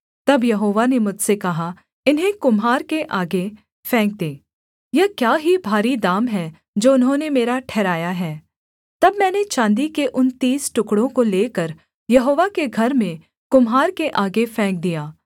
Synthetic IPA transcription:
t̪ɐbjɐɦoːʋanemʊd͡ʒsekɐɦa | ɪnɦẽkʊmɦaːɾkeʔaːɡe | fʰɛ̃ːŋk̚d̪eː | jɛkjaːɦibʱaːɾid̪aːmɦɛ | d͡ʒoːʊnɦõnemeːɾaʈʰɛːɾaːjaɦɛː | t̪ɐbmɛːnet͡ʃãːnd̪ikeʔʊnt̪iːsʈʊkɽõkoleːkɐɾ | jɐɦoːʋakeɡʱɐɾmẽ | kʊmɦaːɾkeʔaːɡefɛ̃ːŋk̚d̪ijaː

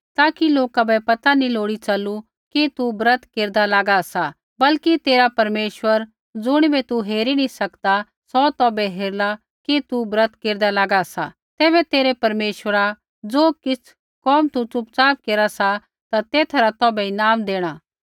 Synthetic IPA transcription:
t̪aːkiloːkabɛpɐt̪anĩloːɽit͡ʃɐlu | kit̪ubɾət̪ʰkeːɾd̪alaːɡasa | bɐlkit̪eːɾapɐɾmeːʃwəɾ | d͡zʊɽ̃ibɛt̪uɦeːɾinĩsɐkd̪a | sɔt̪ɔːbɛɦeːɾla | kit̪ubɾət̪ʰkeːɾd̪alaːɡasa | t̪ɛːbɛt̪eːɾɛpɐɾmeːʃwəɾa | d͡zoːkɪt͡sʰ | kɔːmt̪ut͡ʃʊpt͡saːp̚keːɾasa | t̪at̪eːt̪ʰɾat̪ɔːbɛɪnaːmd̪eːɽ̃aː

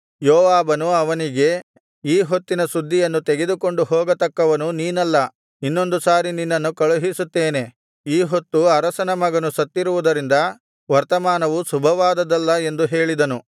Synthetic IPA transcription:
jɔːʋaːbɐnuɐʋɐniɡe̞ | iːɦot̪ːinɐsud̪ʱːijɐnːut̪eɡe̞d̪uko̞ɳɖuɦɔːɡɐt̪ɐkːɐʋɐnuniːnɐlːɐ | inːo̞nd̪usaːɾininːɐnːukɐɭuɦisut̪ːeːne̞ | iːɦo̞t̪ːuɐɾɐsɐnɐmɐɡɐnusɐt̪ːiɾuʋud̪ɐɾind̪ɐ | ʋɐɾt̪ɐmaːnɐʋusubʱɐʋaːd̪ɐd̪ɐlːɐe̞nd̪uɦe̞ːɭid̪ɐnu

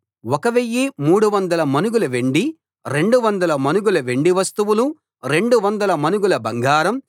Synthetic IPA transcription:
wɔkɐʋijːimuːɽuʋɐnd̪ɐlɐmɐnuɡulɐʋeɳɖi | ɾe̞ɳɖuʋɐnd̪ɐlɐmɐnuɡulɐʋeɳɖiʋɐst̪uʋulu | ɾe̞ɳɖuʋɐnd̪ɐlɐmɐnuɡulɐbɐŋɡaːɾɐm

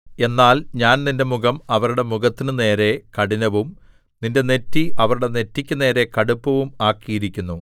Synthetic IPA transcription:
e̞nːaːlɲaːnninde̞muɣɐmɐʋɐɾuɽe̞muɣɐt̪ːinɨne̞ːɾe̞kɐɽinɐʋum | ninde̞ne̞tːiɐʋɐɾuɽe̞ne̞tːikʲːɨne̞ːɾe̞kɐɽupːɐʋumaːkːijiɾikʲːunːu

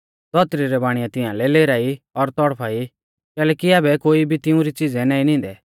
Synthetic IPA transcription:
d̪ɔt̪ɾiɾɛbaːɽ̃ɪjãt̪ɪãlɛleːɾaːiɔɾt̪ɔɽpʰaːi | kɛːlɛːkiaːbɛkoːibʱit̪ɪũɾit͡sɪd͡zɛnaːinɪ̃ːnd̪ɛ

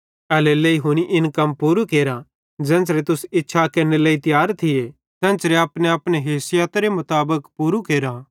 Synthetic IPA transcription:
ɐleleiɦʊñiʔɪnkɐmpuːɾukeːɾã | d͡ʒɛ̃ːnt͡ʃɾet̪ʊsɪtːʃʰakɐɾnelɐːit̪jaːɾt̪ʰɪje | t̪ɛ̃ːnt͡ʃɾeɐpnẽɐpneɦeːsɪjat̪ɾemʊt̪aːbəkpuːɾukeːɾa

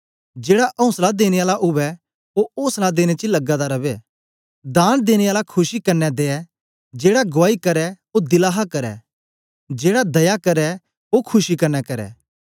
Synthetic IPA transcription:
d͡ʒeːɽaʔɐ̃ʊ̃slad̪eːñeaːlaʔʊʋɛ | oõːslad̪eːñet͡ʃilɐɡad̪aɾɐbɛ | d̪aːnd̪eːñeaːlakʰʊʃikɐɾnɛd̪eːɛ | d͡ʒeːɽaɡʊʋaːikɐɾɛ | od̪ɪlaːɦakɐɾɛ̰ | d͡ʒeːɽad̪ɐjakɐɾɛ | okʰʊʃikɐɾnɛkɐɾɛ̰ː

